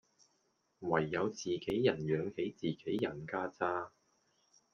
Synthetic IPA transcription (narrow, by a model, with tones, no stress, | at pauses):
wɐ˨˩jːɐ˨˧wt͡siː˨˩ke˨˥jjɐ˨˩njœː˨˧ŋhe˨˥jt͡siː˨ke˨˥jːɐ˨˩nkaː˥t͡saː˥